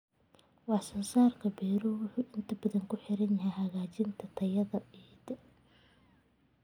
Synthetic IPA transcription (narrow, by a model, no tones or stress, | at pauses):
wɑħsɐnsaːrkʰɐbɛːɾuːwʊħuːʔɪnt̪ʰɐbɐðɐŋkʰʊħɪɾɐnjɐɦɛjɦɐɣaːt͡ʃɪnt̪ʰɐt̪ʰɐjɐðɐɛːt̪ɛ